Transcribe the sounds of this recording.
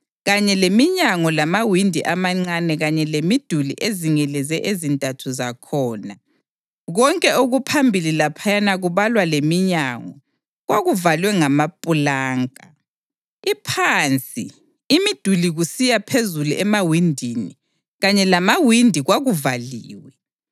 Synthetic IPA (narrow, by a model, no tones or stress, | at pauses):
ɣaɲɛlemiɲaŋɔlamawindʱiʔamaŋ͡ǀanɛɣaɲɛlemid̥ʱulḭʔeziŋɛlɛzɛʔezintʼatʰuzakʰɔːna | ɣɔŋkʼɛʔoɣupʰambʱililapʰajanaɣuβalwalemiɲaŋɔ | ɣwaɣuvalwɛŋamapʼulaːŋʼa | ipʰant͡sʼḭː | mid̥ʱuliɣusijapʰezuluʔɛmawindʱinḭ | ɣaɲɛlamawindʱiɣwaɣuvaliːwɛ